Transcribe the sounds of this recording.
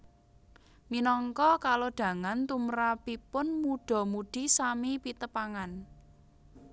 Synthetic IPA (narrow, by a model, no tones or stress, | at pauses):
minɔŋkɔkaloɖ̪̥ä̤ŋant̪umɾapipʊnmuɖ̥ɔ̤muɖ̪̥i̤samipit̪əpaŋan